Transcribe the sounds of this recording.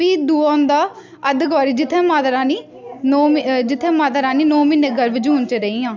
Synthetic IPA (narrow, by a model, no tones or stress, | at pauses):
ʋiːd̪uːãːnd̪aː | əd̪əkʋaːɾiːd͡ʒɪt̪ʰːẽːmaːd̪ɾãːniː | nɔːmid͡ʒɪt̪ʰːẽːmaːd̪əɾãːniːnɔːmiːneːɡəɾʋɪd͡ʒuːnt͡ʃəɾəiːãː